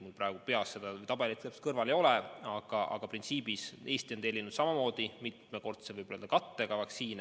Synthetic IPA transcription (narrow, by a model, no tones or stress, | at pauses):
muprɑˑeɡupe̞ɑsːe̞d̪̥ɑvɯjt̪ɑb̥elit̪sepst̪kɤrvɑle̞jo̞lɛɑɡ̥ɑʔɑ̰ɡ̥ɑprint̪siːbise̞ːsʲt̪iot̪e̞lʲːinud̪sɑmɑmo̞ːd̪̥imit̪meko̞rt̪sevɯjbolød̪ɑkɑt̪ːe̞ɡ̥ɑvɑksiːne